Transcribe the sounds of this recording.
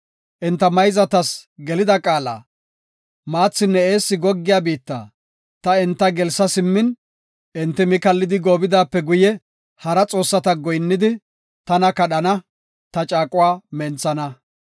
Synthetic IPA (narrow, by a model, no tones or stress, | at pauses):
ʔɪnt̪ːɐmɐjzɐt̪ɐsɡɛlɪd̪ɐkʼaːla̰ː | maːt͡sːɪnːɛeːsːɪɡɔɡːɪjaːbiːt̪ːa̰ː | t̪ɐɪnt̪ːɐɡɛlsːɐsɪmːɪn | ʔɪnt̪ːɪmɪkɐlːɪd̪ɪɡoːbɪd̪aːpːɛɡʊjɛ | hɐɾɐt͡sʼo̞ːsːɐt̪ɐɡɔjnːɪd̪ɪ | t̪ɐnɐkɐɗɐnɐ | t̪ɐt͡ʃʼaːkʼʊwaːmɛnt͡sːɐnɐ